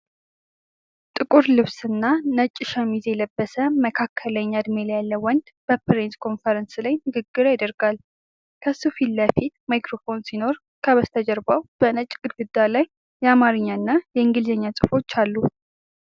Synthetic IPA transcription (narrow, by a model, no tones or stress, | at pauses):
t̪ʼɨkʼuɾlɨβsɨnːanət͡ʃʼːɪʃamizjɛləbːəsəməkʰakʰːələɲːaad̪melajalːəwɔnd̪b̥əpʰɾenskʰo̞nfəɾənslajnɨɡɨɡːɨɾajad̪əɾɡ̥al | kʰəsufilːəfit̪majkɾo̞fo̞nsino̞ɾ | kʰəβəst̪ʰəd͡ʒɛɾbawb̥ənət͡ʃʼɡʼɨd̪ɡɨd̪ːalajː | ɛamaɾɨɲːaɨnːajɛɨŋɡɨlɨzəɲːasʼɨfo̞t͡ʃːalːu